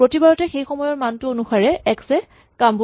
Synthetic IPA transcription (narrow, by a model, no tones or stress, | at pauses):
pɹotibaɹɔtɛxejxɔmɔjɔɹmantʊonuxaɹɛɛksɛ | kambu